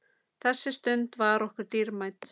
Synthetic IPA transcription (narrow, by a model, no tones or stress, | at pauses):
θɛsːɪst̪ʏnt̪vaɾɔhkʏɾ̥t̪iɾmajt̪